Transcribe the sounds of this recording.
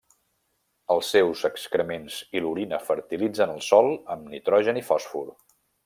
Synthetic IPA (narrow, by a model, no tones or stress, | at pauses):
əlˠsːewzəkskɾəmenziluɾinəfəɾt̪ilid͡zənəlˠsɔlˠəmnit̪ɾɔʒənifɔsfuɾ